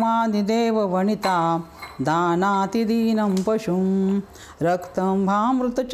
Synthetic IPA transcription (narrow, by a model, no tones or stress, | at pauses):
maːd̪id̪eːʋɐʋɐɳit̪aːd̪aːnaːt̪id̪iːnɐmpɐʃum | ɾɐkt̪ɐmbʱaːmɾut̪ɐt͡ʃ